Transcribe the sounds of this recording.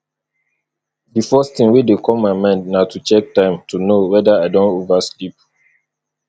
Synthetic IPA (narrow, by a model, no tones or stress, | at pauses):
difɔstĩŋwidekʰɔlmaɪmɛ̃ndnaʊtut͡ʃɛk̚tãɪ̃mtʰunowɛdaadɔ̃ntovaslip̚